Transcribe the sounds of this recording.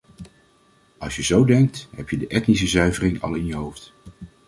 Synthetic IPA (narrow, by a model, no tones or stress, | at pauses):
ɑlˠsjəzowdɛŋk̚tɦɛpjədəʔɛtnisəzœɥvərɪŋɑ̰lˠɪnjəɦowft